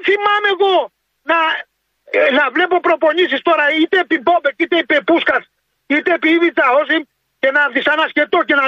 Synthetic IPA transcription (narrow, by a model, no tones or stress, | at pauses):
θimɐme̞ɣo̞ | nɐ | nɐvlepo̞pɾo̞po̞nisist̪o̞ɾɐit̪epibobekit̪epepuskɐs | it̪epivit͡sɐos̬im | cenɐðisɐnɐscet̪o̞cenɐ